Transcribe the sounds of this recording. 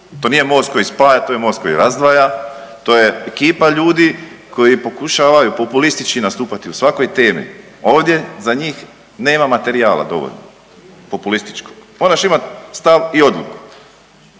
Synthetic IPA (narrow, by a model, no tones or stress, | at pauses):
t̪o̞nije̞mo̞ːst̪ko̞jispaːjat̪oːjemost̪ko̞jiɾazd̪ʋajat̪o̞ːje̞ekiːpaʎuːd̪ikʰo̞jipo̞kuʃaːʋajupo̞pulist̪it͡ʃkinast̪uːpat̪iusʋako̞jt̪e̞ːmḭ | o̞ːʋd̪ʲje̞zaɲiːx | ne̞ːmamat̪e̞ɾiaːla̰d̪o̞̰ʋo̰ʎno̰ | po̞pulist̪i̥t͡ʃkoɡ̥moɾaʃimat̪st̪aʋio̞d̪lˠuku̥